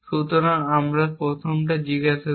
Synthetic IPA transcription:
ʃut̪oɾaŋamɾapɾot̪ʰomʈ̬ad͡ʑiɡaʃʰa

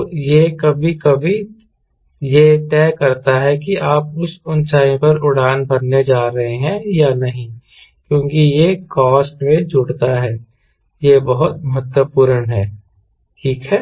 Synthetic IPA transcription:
jekɐbʱikɐbʱi | jet̪ɛːkɐɾt̪aɦɛkiʔaːp̚ʊsʊnsaːjĩpɐɾʊɽ̤aːnbɐnːed͡ʒaːɾɐɦeɦɛ̃janɐɦĩ | kjõːkijekɔːsʈmẽd͡ʒʊɽt̪aɦɛː | jebɐɦʊt̪mɐɦət̪wəpuːɾənɦɛː | ʈʰiːkɦɛː

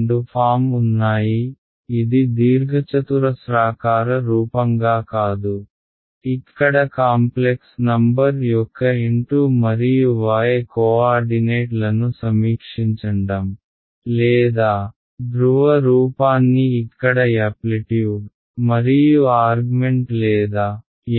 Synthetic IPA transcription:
ɳɖupʰaːmunːaːjiː | d̪id̪iːɾɡʱɐt͡ʃɐt̪uɾɐsɾaːkaːɾɐɾuːpɐŋɡaːkaːd̪u | ikːɐɽɐkaːmpleksnɐmbɐɾjɔkːɐiɳʈumɐɾijuʋaːjekoːaːɾɖineːʈlɐnusɐmiːkʂiɲt͡ʃɐɳɖɐm | lɛːd̪aː | dɾuʋɐɾuːpaːnːiːkːɐɽɐaːpliʈiju | mɐɾijuaːɾɡumeɳʈlɛːd̪aː

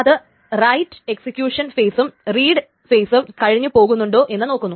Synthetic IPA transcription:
ɐðɨ | rɐjtːɨ̥eksikʲjuːʂɐnfeːsumriːɽɨ | feːsumkɐɻiɲːupo̞ːɣunːuɳɖo̞ːʔe̞nːɨno̞ːkːunːu

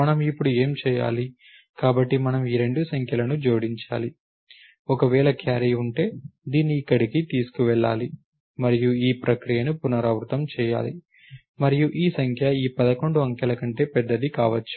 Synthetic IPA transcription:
mɐnɐmipːuɽue̞ːmt͡ʃɛːja̰ːli | kaːbɐʈːimɐnɐmiːɾe̞ɳɖusɐŋkʰjɐlɐnud͡ʒo̞ːɽiɲt͡ʃa̰ːli | ɔkɐʋɛːɭɐkjaːɾijuɳʈe̞ːd̪iːnːiːkːɐɽikit̪iːsu̥kuʋɛɭːa̰ːli | mɐɾijuiːpɾɐkɾijɐnupunɐɾaːʋɾut̪ɐmt͡ʃɛːja̰ːli | mɐɾijuʔiːsɐŋkʰjɐiːpɐd̪ɐko̞ɳɖuɐŋkɐlɐkɐɳʈe̞ːpɛd̪ːɐd̪ikaːʋɐt͡ʃːu̥

